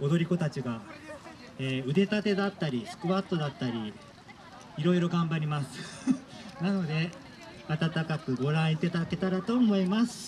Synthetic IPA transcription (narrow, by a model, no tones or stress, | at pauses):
o̞d̪o̞ɾʲiko̞t̪at͡ɕiɡa | eːɯ̟d̪e̞t̪at̪e̞d̪at̪ːaɾʲisɨ̥kɯ̟βat̪ːo̞d̪at̪ːaɾʲi | iɾo̞iɾo̞ɡãmbaɾʲimasɨ̥ | nano̞d̪e̞ | at̪at̪akakɯ̟ɡo̞ɾãɰ̃it̪ːe̞t̪aake̞t̪aɾat̪o̞ːmo̞imasɨ̥